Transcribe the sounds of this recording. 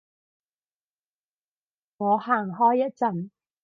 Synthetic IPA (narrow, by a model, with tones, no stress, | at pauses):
ŋɔː˨˧haː˨˩ŋɦɔː˥jːɐ˥t̚t͡sɐ˨˩n